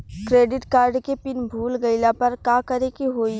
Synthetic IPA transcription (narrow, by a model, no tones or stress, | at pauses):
kɾeːɖɪʈkaːɾɖkepɪnbʱuːlɡəɪlapɐɾkaːkɐɾekiɦoːi